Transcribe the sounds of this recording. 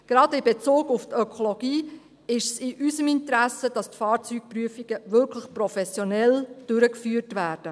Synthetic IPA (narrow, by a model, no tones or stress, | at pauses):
ɡ̥ɾɑdɪbet͡soːɡʊftœkʰoloɡiː | ɪʃsɪʔysəmintɾæsəd̥ɑstfɑːɾt͡syk̚pryəfiɡ̥əʋɪɾkʰləχprɔfɛsjonɛld̥ʏɾəkfyːrtʋæːɾd̥ə